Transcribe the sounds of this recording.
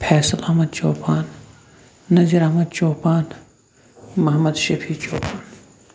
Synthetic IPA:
pʰɛːsɐlɐɦmɐd̪t͡ʃoːpaːnː | ɐd͡ʒɐɾɐhmɐd̪t͡ʃoːpaːn | mɐɦmɐd̪ʃɐpʰiːt͡ʃoːpaːn

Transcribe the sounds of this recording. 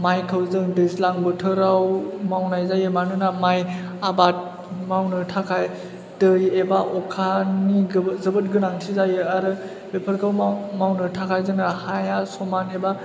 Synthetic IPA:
majkʰɯwzɯŋdeslaŋbɯtʰɯɾawmawnajzajɯmanɯnamajabat̚ | mawnɯtʰakʰaj | dɯjebaʔɔkʰaniɡzɯbɯt̚ɡɯnaŋtʰizajɯaɾɯ | bepʰɯɾkʰawmawnɯtʰakʰajzɯnɯhajasɔmaneba

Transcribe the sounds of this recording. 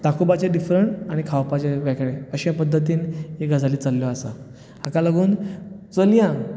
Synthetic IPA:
t̪akubat͡ɕeɖifɾəɳʈaɽ̃ikʰawpat͡ɕeʋɛkɭeəɕãpəd̪ʱːət̪iːneɡad͡zʱaliːt͡salːjɔasa̰ | akalaɡuːnt͡səlijã

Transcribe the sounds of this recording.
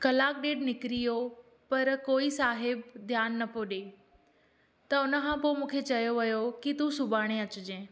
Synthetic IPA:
kɐlaːk̚ɗeːɖnɪkɪɾijo | pɐɾkoːisaːɦɪbd̪ʱjaːnːɐpoːɗeː | t̪ɐʊnə̆kʰãːpomũːkʰet͡ɕɐjoʋɐjokit̪usʊbʱaːɽ̃eɐt͡ɕʊd͡ʑẽː

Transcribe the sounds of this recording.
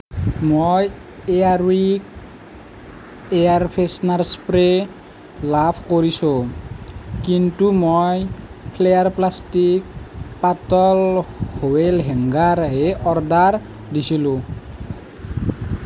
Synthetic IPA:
moj | eaɹwik | eaɹpʰesnaɹspɾe | lapʰkoɹiso | kintumojpʰlejaɹplastik̚patɔlhowelɦɛŋɡaɾɦeʔɔɹdaɹ | disʰilũ

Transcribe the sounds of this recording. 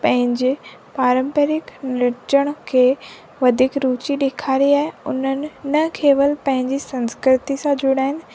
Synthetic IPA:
pɐ̃ɦɪ̃ɲd͡ʑe | paːɾə̃mpəɾɪknɪt͡ɕəɽ̃̆kʰeː | ʋɐd̪ʱiːkɾuːt͡ɕiɗeːkʰaːɾiaːɦeʊn̤ənɪ̆nɐkʰeːʋəlpɐ̃ɦɪ̃ɲd͡ʑisɐ̃nskɾɪt̪isãd͡ʑʊɽaːɦɪnɪ̆

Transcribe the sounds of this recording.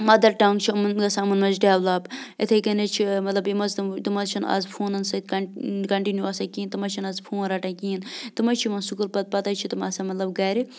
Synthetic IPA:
mɐd̪ɐɾʈɐŋɡt͡ʃʰimnɡɐsamɐnmɐnzɖeːʋlɐːbet̪ʰekɐnet͡ʃʰimɐt̪lɐbimɐzt̪ɐt̪ɨmɐzt͡ʃʰɐnɐ̰zpʰuːnɐnsɐt̪kɐkɐɳʈinjuɐsɐkiːnt̪ɨmɐt͡ʃʰinɐzpʰuːnɾɐːʈɐ̃kiːint̪ɨmɐt͡ʃʰimɐnsukulpɐt̪̚pɐt̪ɐt͡ʃʰit̪ɨmɐsɐmɐt̪lɐbɡɐːɾi

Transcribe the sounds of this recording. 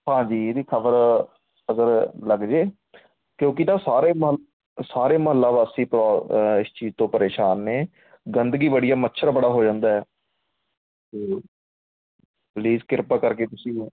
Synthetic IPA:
hãːd͡ʒiːɾiːkʰəbəɾ | əɡəɾləɡd͡ʒeː | kjõːkɪnãːsaːɾeːmɦəl | saːɾeːməɦəlːaːbaːstĩːpɾːɪst͡ʃiːzt̪õːpəɾeːʃaːnːeː | ɡənd̪ɡiːbəɽijaːmətːʃʰəɾabəɽaːɦoːd͡ʒãːnd̪aːɦɛː | t̪eː | pliːzkɪɾpaːkəɾkeːt̪ʊsĩː

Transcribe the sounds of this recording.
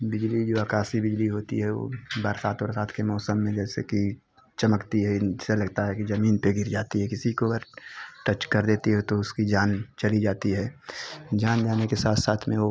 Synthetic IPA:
bɪd͡ʒlid͡ʒoːɐkaːsibɪd͡ʒliɦoːt̪ḭɦɛo̰ːbaːɾsaːt̪ʰɔːɾsaːt̪ʰkemɔːsəmːẽd͡ʒɛːsḛki | t͡ʃɐməkt̪iɦɛɪselɐɡt̪aɦɛkizɐmiːnpeɡɪɾd͡ʒaːt̪iɦɛkɪsikobəɾʈət͡ʃkɐɾd̪eːt̪iɦɛt̪oʊskid͡ʒaːnt͡ʃɐlid͡ʒaːt̪iɦɛːd͡ʒaːnd͡ʒaːnekesaːt̪ʰsaːt̪ʰmẽo

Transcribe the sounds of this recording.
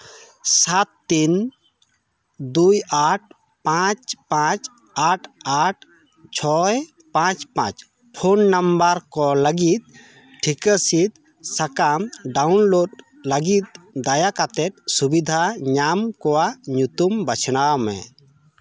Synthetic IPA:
sat̪ːin | d̪ujaʈ̚ʰ | pãt͡ʃpãt͡ʃ | aʈʰaʈʰ | t͡ʃʰɔj | pãt͡ʃpã̰t͡ʃ | pʰonːambəɾkɔləɡit̪̚ | ʈʰikəsit̪̚ | sakamɖawnloɖ | ləɡit̪̚d̪ajakat̪ɛt̪̚subid̪ʱaɲamkɔwaɲut̪umbət͡ʃʰɽ̃awmɛ̰

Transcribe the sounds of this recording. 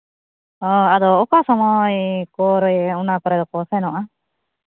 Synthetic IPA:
ɔad̪ɔːkasɔmɔjkɔɾɔjunakɔɾɛd̪ɔkɔsɛnɔʔa

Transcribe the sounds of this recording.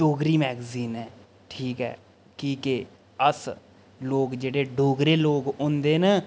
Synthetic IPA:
ɖoːɡɾiːmɛːɡziːnɦɛː | ʈʰiːkɦɛ̰ː | kiːkeː | əs | loːɡd͡ʒeːɽeːɖoːɡɾeːloːɡʊ̃nd̪eːnə

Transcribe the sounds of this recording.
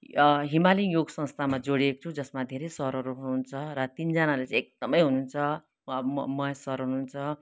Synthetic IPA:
ɦimalijoɡsʌ̃ŋst̪ʰamad͡zoɽiekʌ̥t͡sʰud͡zʌsmad̪ʱeɾejsʌɦɾʌɾuɦununt͡sʰʌɾʌt̪ind͡zʌnalet͡sʌ̃ek̚d̪ʌmʌjɦununt͡sʰʌ | bmʌʌsʌɾɦununt͡sʰʌ

